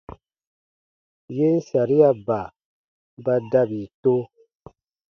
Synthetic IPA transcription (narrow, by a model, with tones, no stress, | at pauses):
je˦n̩˦sa˨ɾi˦a˨ba˨ | ba˦da˦bi˨to˦